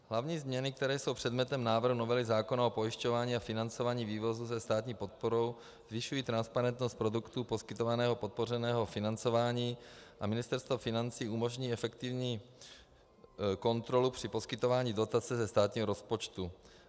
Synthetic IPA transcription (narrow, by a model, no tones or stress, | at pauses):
ɦlavɲiːzmɲɛnɪk̚t̪ɛɾɛːso̞wpr̝̥ɛd̪mɲɛt̪ɛmnaːvr̩ɦuno̞vɛlɪzaːko̞naopo̞jiʃcovaːɲiːafɪnant͡sovaːɲiːviːvo̞zusɛst̪aːt̪ɲiːpo̞t̪̚poɾo̞w | z̥vɪʃujiːt̪ɾanspaɾɛnt̪nost̪̚pɾo̞dukt̪upo̞skɪt̪ovanɛːɦo̞pot̪̚po̞r̝ɛnɛːɦo̞fɪnant͡so̞vaːɲiːʔamɪnɪst̪ɛɾst̪vofɪnant͡siːumo̞ʒɲiːɛfɛkt̪ɪvɲiː | ko̞nt̪ɾo̞lupr̝̥ɪpo̞skɪt̪o̞vaːɲiːdo̞t̪at͡sɛzɛst̪aːt̪ɲiːɦoɾo̞spot͡ʃt̪u